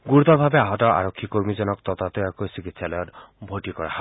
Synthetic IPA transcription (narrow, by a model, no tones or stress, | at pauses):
ɡuɾut̪ɔbʱabeaɦɔtɔʔa̰ɾɔkʰːikoɾmizɔnɔkt̪ɔt̪at̪ɔjakojsikit̪ʰsalɔjɔtbʱoʈikɔɾa̰ha